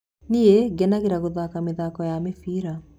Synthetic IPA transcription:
nieɡɛnaɣeɾaɣoðakameðakɔjamefiːɾa

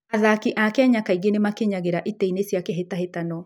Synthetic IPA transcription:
aðakiʔakɛaɲakaiɣenemakeɲaɣeɾaʔitɛinesjakɛɦetaɦetanɔ

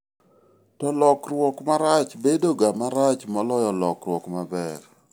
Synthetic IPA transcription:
tɔlɔkɾwɔkmaɾat͡ʃbedoɡamaɾat͡ʃmɔlɔjɔlɔ̰kɾwɔkmabɛɾ

